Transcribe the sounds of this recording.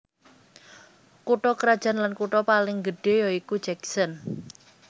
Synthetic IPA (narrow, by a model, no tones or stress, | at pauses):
kuʈɔkəɾad̥ʒ̥a̤nlankuʈɔpalɪŋɡəɖ̥e̤jɔiku̥d͡ʒɛksən